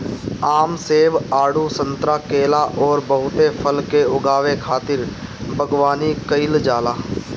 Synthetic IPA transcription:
aːmseːʋaːɽusə̃nt̪ɾakeːlaʔɔːɾbəɦʊt̪epʰəlkeʊɡaːʋekʰaːt̪ɪɾbʱəɡwaːnikəɪld͡ʒaːlaː

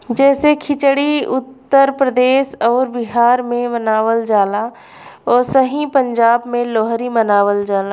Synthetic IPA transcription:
d͡ʒɛːsekʰɪt͡ʃɽiʊt̪ːəɾpɾəd̪eːʃɔːɾbɪɦaːɾmẽmɐnaːʋəld͡ʒaːla | ɔːɾsəɦĩpɐ̃ɲd͡ʒaːbmẽloːɦɾimɐnaːʋəld͡ʒaːla

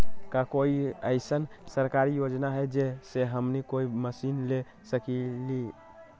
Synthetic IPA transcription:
kakoiəɪsənsəɾkaɾijod͡ʒnaɦɛd͡ʒeseɦəmnikoiməsinle | səkili

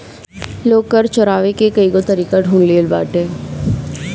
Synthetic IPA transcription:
loːɡkəɾt͡ʃɔɾaːʋekekɐiɡot̪əɾiːkaɖʱũːnleːlba̰ːʈeː

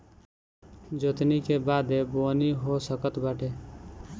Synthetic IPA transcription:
d͡ʒot̪nikebaːd̪eboniɦosəkət̪baʈʰe

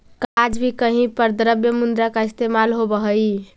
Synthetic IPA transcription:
kad͡ʒbʱikəɦĩpəɾd̪əɾəbjəmund̪ɾakaist̪emalɦobəɦəj

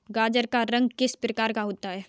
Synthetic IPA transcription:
ɡaːd͡ʒəɾkaɾɐ̃ŋɡ̚kɪspɾəkaːɾkaɦoːt̪aɦɛː

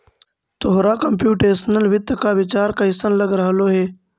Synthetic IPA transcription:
t̪oɦɾaːkəmpjuːʈeːsənəlʋɪd̪əkaːʋɪt͡ʃaːɾkaːɪsənləɡɾəɦəloːɦeː

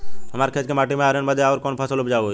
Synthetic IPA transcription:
ɦəmaːɾkʰet͡ʃkemaːʈimẽaːɾenbəd̪ʱjeaːɾkoːnpʰəsəlʊpd͡ʒaːo

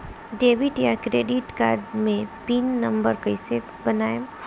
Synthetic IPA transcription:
ɖeːʋɪʈjakɾeːɖɪʈka̰ːɾɖmẽpiːnːə̃mbəɾkəɪse | bɐnaːe

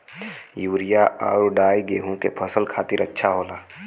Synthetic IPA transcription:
juːɾijaʔa̰ːɾɖaːiɡeːɦũkepʰəsəlkʰaːt̪ɪɾɐtːʃʰaɦoːlaː

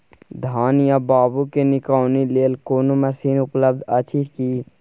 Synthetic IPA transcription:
d̪ʱaːnjãbaːbukenɪkaːnileːlkoːnoməsiːnʊpləb̚d̪ət͡ʃʰiki

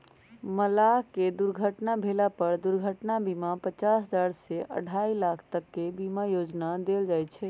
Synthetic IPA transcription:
məlaked̪uɾɡʱəʈnabʱelapəɾd̪uɾɡʱəʈnabimapət͡ʃasɦəd͡ʒaɾseʔə̰ɽʱailakʰt̪əkːebimajod͡ʒnad̪eld͡ʒajt̪t͡ʃʰɛ

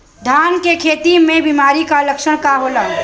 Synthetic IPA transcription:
d̪ʱaːnkekʰeːt̪imẽbimaːɾikaləkʃəɽ̃kaɦoːla

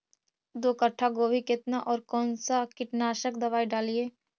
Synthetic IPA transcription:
d̪oːkəʈʰːaɡoːbʱikɪt̪naʔɔːɾkɔːnsakɪʈnaːʃəkd̪ɐʋaːiɖaːlieː

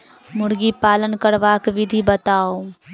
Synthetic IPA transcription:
mʊɽɡipaːlənkəɾʋaːkʋɪd̪ʱibət̪aːo

